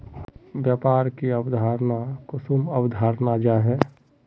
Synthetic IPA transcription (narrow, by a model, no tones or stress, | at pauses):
bjaːpaːɾkiəbd̪ʱaːɾnakʊsuməwd̪ʱaːɾnad͡ʒaɦɛ